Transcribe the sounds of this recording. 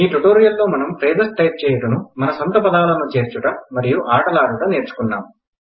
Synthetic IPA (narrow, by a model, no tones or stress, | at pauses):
iːʈuʈoːɾijɐlːo̞ːmɐnɐmpɾeːd̪ɐsʈɐjp̪̚t͡ʃɛːjuʈɐnumɐnɐsɐnt̪ɐpɐd̪aːlɐnut͡ʃe̞ːɾt͡ʃuʈɐmɐɾijuʔaːʈɐlaːɾuʈɐne̞ːɾt͡ʃu̥kunːa̰ːm